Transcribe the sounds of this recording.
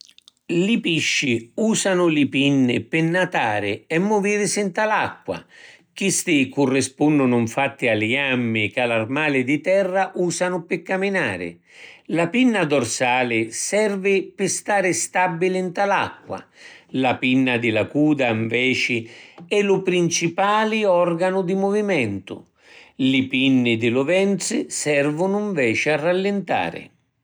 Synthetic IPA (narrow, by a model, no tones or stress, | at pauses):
lɪpiʃːiuːsanʊlɪpinːɪ̰pɪnːat̪aːɾɪɛmːʊviːɾɪsɪnt̪alakːwa̰ | k̟ist̪ɪkʊrːɪspunːʊnʊɱfat̪ːɪalɪamːɪkalarmaːlɪd̪ɪt̪ɛrːaʔuːsanʊpɪkːaminaːɾɪ̰ | lapinːad̪ɔrsaːlɪsɛrvɪpɪst̪aːɾɪst̪abːilɪnt̪ala̰kːwa̰lapinːad̪ɪlakuːd̪aiɱvɛːt͡ʃɪɛlʊpɾint͡ʃipaːlɪɔrɡanʊd̪imɔvimɛnt̪ʊ̰ | lɪpinːɪd̪ɪlʊvɛnt̪sɪsɛrvʊnʊiɱvɛːt͡ʃɪarːalːɪnt̪a̰ːɾɪ̰